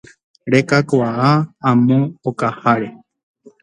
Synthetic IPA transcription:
ɾekakʷaaãmõokahaɾe

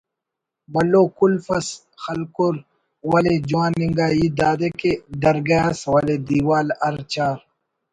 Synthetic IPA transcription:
bɐlːoːkulfɐs | xɐlkuɾ | wɐled͡ʒwãːnːiŋɡaːid̪aːd̪eked̪ɐɾɡɐaswɐled̪iwaːlɐɾt͡ɕaːɾ

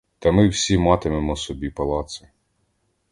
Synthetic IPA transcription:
t̪ɐmɪwsʲimɑt̪ɪmemɔsɔbʲipɐlˠɑt̪sɪ

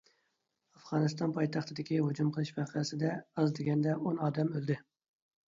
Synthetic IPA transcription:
ɑfʁɑːnɨst̪ɑnpʰɑjt̪ʰɑχt̪ʰɨd̪ɪkʲiɦod͡ʒumqʰəlˠɨʃbæqʰəsɪd̪ɛɑzd̪ɪɡʲɛnd̪ɛʔonɑːd̪ɛmølˠd̪ɪ

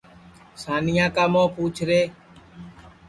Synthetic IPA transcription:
saːnɪjãːkaːmõːpuːt͡ʃʰɾeː

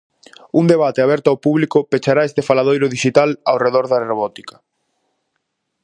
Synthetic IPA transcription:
uŋd̪eβat̪eaβ̞ɛɾt̪oawpuβlikʊpet͡ʃaɾaest̪efalað̞ojɾʊðiʃit̪alawreðɔɾðaroβɔt̪i̥kɐ̥

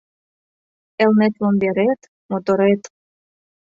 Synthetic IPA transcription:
elnet̪lomb̪eɾet̪ | mot̪oɾet̪

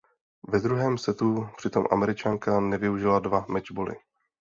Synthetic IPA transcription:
vɛd̪ɾuɦɛːmsɛt̪upr̝̥ɪt̪o̞mʔa̰mɛɾɪt͡ʃaŋkanɛvɪuʒɪladvamɛd͡ʒbolɪ̰

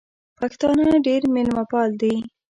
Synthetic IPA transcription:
paxt̪ɑnaɖeɾmɪlmapɑld̪ij

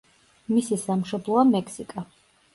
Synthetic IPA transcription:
misisamʃɔblˠɔamɛksikʼa

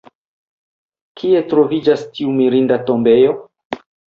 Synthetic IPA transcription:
kʰie̞tɾo̞vid͡ʒastiumiɾindatombe̞jo̞

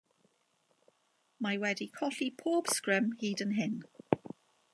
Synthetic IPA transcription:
maɪwɛdikʰɒɬipʰɔːb̥skɹə̃mhiːdə̃nɦɪn

